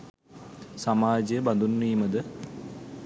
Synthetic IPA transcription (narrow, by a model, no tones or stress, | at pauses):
samaːd͡ʒəbɐnd̪unːiːmɐd̪ə